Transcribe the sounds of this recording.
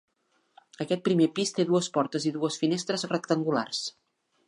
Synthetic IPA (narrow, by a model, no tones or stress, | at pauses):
əkɛt̪̚pɾimepist̪eðuəspɔɾt̪əziðuəsfinest̪ɾəzrəkt̪əŋɡula̰rs